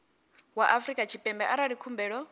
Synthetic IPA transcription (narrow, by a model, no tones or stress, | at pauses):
waʔafɾikʼat͡ʃʰipʼɛmbɛʔaɾaɺikʰumbɛːɺɔ